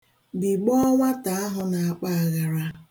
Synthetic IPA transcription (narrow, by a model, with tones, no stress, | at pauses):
bi˨ɡ͡bɔ˦ŋʷa˦ta˨a˦ɦʊ˨na˨a˨k͡pa˦a˨ɣa˨ɾa˦